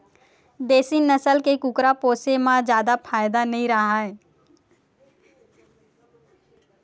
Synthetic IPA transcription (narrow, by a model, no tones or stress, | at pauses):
d̪eːsinəsəlkekukɾapoːsemãd͡ʒjaːd̪apʰaːjd̪anɐɦĩɾɐɦaɦɛː